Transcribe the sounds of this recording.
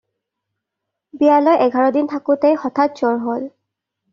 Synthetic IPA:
bijalɔjʔɛɡʱaɹɔdintʰakʊtɛjxɔtʰat̚zɔɹɦol

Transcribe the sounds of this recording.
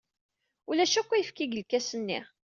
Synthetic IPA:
ulæʃækʷːæjəfkiɡəlkːæsənːḭʁ

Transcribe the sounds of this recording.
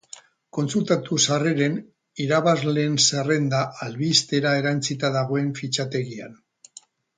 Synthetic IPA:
ko̞nsult̪at̪usareɾe̞n | iɾaβazleːnsare̞nd̪aʔalβist̪e̞ɾae̞ɾant͡sit̪aðaɣ̞o̞e̞ɱfit͡ʃat̪e̞ɣia̰n

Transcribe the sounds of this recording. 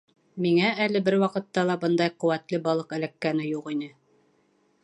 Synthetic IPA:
miŋæælɘbɘɾwɑqɤ̆t̪ːɑlˠɑbɤnd̪ɑjqɤ̆wæt̪lɘbɑlˠɤqæ̆lækːænɘjuqinɘ

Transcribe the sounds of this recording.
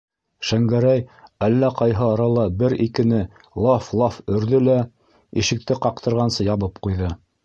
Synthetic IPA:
ʃæŋɡæɾæjælːæqɑjɦɤɑɾɑlˠɑbɘɾikɘ̆nɘ | lˠɑflˠɑfɵ̆ɾðɘlæ | iʃɘ̆k̚t̪ɘqɑq̚t̪ɤ̆ɾʁɑnsɤjɑβɤp̚qujðɤ

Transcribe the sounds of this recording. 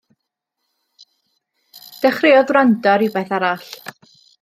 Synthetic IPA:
d̥ɛχreɔðwrandɔɾiwbeθaɾaɬ

